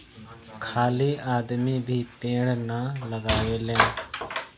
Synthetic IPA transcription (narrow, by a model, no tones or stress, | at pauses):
kʰaːliaːd̪miːbʱiːpẽːɽnaləɡaːeːlẽː